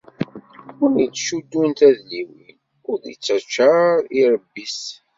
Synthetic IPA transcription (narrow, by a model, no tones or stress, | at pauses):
ʊɾmit͡sːʃud̪ːunt̪æðliwin | ʊɾðit͡sːæt͡ʃːaɾiɾˤəbːis